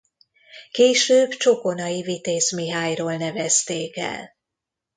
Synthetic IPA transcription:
keːʃøːbt͡ʃokonɒivit̪eːsmiɦaːjroːlnɛvɛst̪eːkɛ̰l

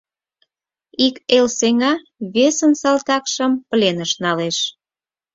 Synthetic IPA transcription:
ikelseŋɑ | βesənsɑlt̪ɑkʃəmpəlenəʃnɑleʃ

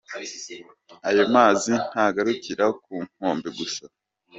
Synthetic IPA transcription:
ajomaːzin̥haɡaɾukiɾakuːŋ̥hoːmbeɡusa

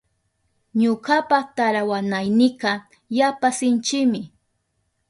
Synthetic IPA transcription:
ɲokapat̪aɾawanajnɪqɑ | japasɪnt͡ʃɪmɪ

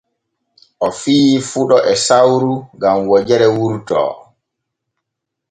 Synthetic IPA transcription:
ʔɔfiːfuɗɔʔɛsawɾuɡamwɔd͡ʒɛɾɛwuɾtɔ̰ː

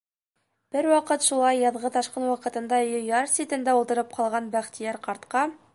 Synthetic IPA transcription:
b̥ɘɾwɑqɤt̪ʃulˠɑjːɑðʁɤt̪ɑʃqɤnwɑqɤ̆t̪ɤ̆nd̪ɑjɤ̆jɑɾsʲit̪ɘ̆nd̪æulˠt̪ɤ̆ɾɤp̚qʰɑlˠʁɑnbæχt̪ijæɾqɑɾt̪qɑ

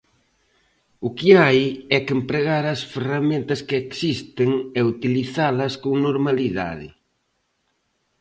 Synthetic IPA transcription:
ʊkɪajɛkempɾeɣaɾɐsferamẽnt̪ɐskɪeksist̪ɪŋeut̪iliθalɐskoŋnoɾmaliða̰ðɪ̰

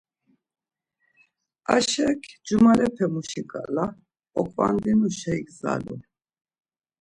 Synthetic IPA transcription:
aʃɛkʰd͡ʒumalɛpʰɛmuʃikʼala | ɔkʼva̰nd̪inuʃajkza̰lu

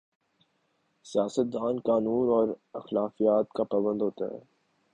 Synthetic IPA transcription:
sijaːsət̪̚d̪aːnkaːnuːnɔːɾɐxlaːfijaːt̪kapaːβə̃nd̪ɦoːt̪a̰ɦɛ̰ː

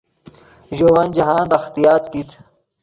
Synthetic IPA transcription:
ʒowɐnd͡ʑɐɦãːnd̪ɐxt̪ijaːt̪kit̪

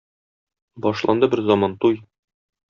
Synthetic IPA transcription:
bɒʃlˠɑ̰nd̪ɤbɘɾzɒmɑnt̪uj

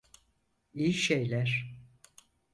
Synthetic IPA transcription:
ijiʃejlʲæɾ̥

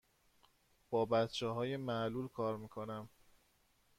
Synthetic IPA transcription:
b̥ɒːbæt̪t͡ʃʰɛɦɒːjemæʔluːlkʰɒːɾmiːkʰo̞næm

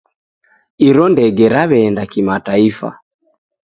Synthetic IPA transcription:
iɾɔndɛɡɛɾaβɛːndakimataifa̰

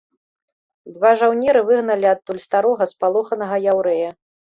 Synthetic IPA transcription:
d̪vaʐawnʲɛɾɨvɨɣnɐlʲiɐt̪ːulʲst̪aɾɔɣɐspalˠɔxɐnɐɣɐjawɾɛjɐ

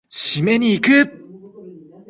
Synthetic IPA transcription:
ɕime̞ɲ̟iːkɯp̚

